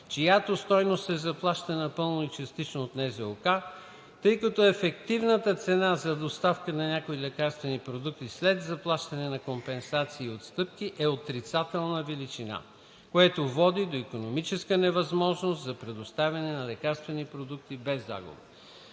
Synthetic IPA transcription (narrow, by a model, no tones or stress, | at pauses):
t͡ʃijat̪ost̪ɔjnosɛzɐplˠaʃt̪ɐnɐpɤlˠnoit͡ʃɐst̪it͡ʃnoːt̪nɛzɛoka | t̪ɤjkɐt̪ɔɛfɛkt̪ivnət̪ət̪sɛnazɐd̪ost̪afkənɐnʲakoilɛkaɾst̪vɛnipɾod̪ukt̪islɛd̪zɐplˠaʃt̪ɐnɛnɐkompɛnsat̪siːot̪st̪ɤp̚k̟iʔɛot̪ɾit̪sat̪ɛlˠnəvɛlit͡ʃina̰ | koɛt̪ovɔd̪id̪oikonomit͡ʃɛskənɛvɐzmɔʒnost̪zɐpɾɛd̪ost̪avʲɐnɛnɐlɛkaɾst̪vɛnipɾod̪ukt̪ibɛzːa̰ɡo̰bə̰